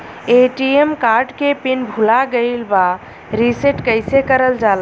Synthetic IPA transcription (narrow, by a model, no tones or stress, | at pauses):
eʈiemkaɾɖkepinbʱulaɡəɪlba | ɾiseʈkəɪsekəɾəld͡ʒal